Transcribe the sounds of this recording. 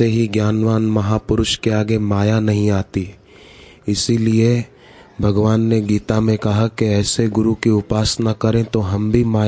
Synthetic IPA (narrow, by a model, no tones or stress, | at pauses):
eɦiɡjaːnʋaːnmɐɦaːpʊɾʊʃkeaːɡemaːjanɐɦĩaːt̪i | ɪsilie | bʱɐɡʋaːnːeɡiːt̪amẽkɐɦakeɛːseɡʊɾukiʊpaːsnakɐɾẽt̪oɦɐmbʱimaː